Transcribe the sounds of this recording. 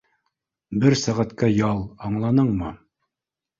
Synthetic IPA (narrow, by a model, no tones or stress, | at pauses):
bɘɾsæʁæt̪kæjɑlˠɑɴlˠɑnɤɴmɤ